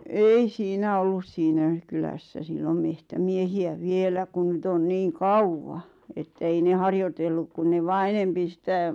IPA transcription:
ei siːnæ olːus siːnæ kylæsːæ silːom mehtæmiehiæ ʋielæ kun nyt on niːŋ kɑuwːɑ etːæ̆ ei ne hɑrjotelːuk kun ne ʋɑː enempi sĭtæ

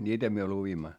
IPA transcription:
nʲiːtæ myø luʋimːɑ

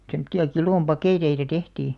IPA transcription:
semŏtːiɑ kiloˑm pɑkeˑteitɑ tehtiː

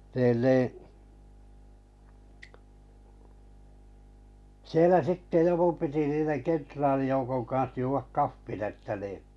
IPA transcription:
niːn niː sielæ sitːe joku piti niːneŋ kentrɑːlijoukoŋ kɑns juːʋɑk kɑfːin etːæ niˑ

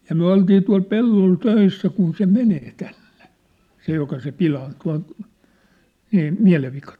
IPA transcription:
jɑ myæ̝ oltiː tuɑl pelːol tøisːæ kun se meneː tænn̥e̥ se jokɑ se pilɑːn tuɑ̝n̞ miæ̝ miæ̝leʋːikɑ

